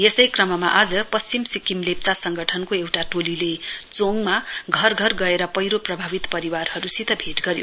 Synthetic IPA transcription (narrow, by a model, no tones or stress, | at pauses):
jesʌjkrʌmʌmaʔad͡zʌpʌst͡simsikimlep̚t͡sasʌŋɡʌʈʰʌnkoewʈaʈolilet͡soŋmaɡʱʌrɡʱʌrɡʌeɾʌpʌjɾoprʌbʱabit̪pʌɾiwarhʌɾusit̪ʌbʱeʈɡʌɾjo̰